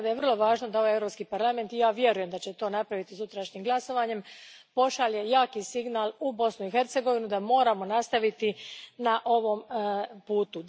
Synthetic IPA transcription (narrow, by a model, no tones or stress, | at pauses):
d̪ajevr̩lˠo̞ʋaːʒnod̪aoʋajeɾo̞pskipaɾlˠame̞nt̪ijaːʋje̞ɾuje̞md̪at͡ɕe̞t̪o̞ːnapɾaʋit̪izjut̪ɾaʃɲimɡlˠaso̞ʋaɲe̞m | po̞ʃalje̞jaːkisiɡnalˠubo̞snuixe̞ɾt̪seɡo̞ʋinud̪amo̞ːɾamo̞nast̪aʋit̪inaʔo̞ʋo̞mpuːt̪u